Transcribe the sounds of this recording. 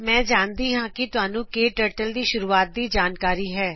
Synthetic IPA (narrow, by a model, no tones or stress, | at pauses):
mɛ̃ːd͡ʒaːnd̪iːɦãːkɪt̪ʊɦaːnũːkeːʈəːʈəld̪iːʃʊɾuːaːt̪̚d̪iːd͡ʒaːnkaːɾiːɦɛː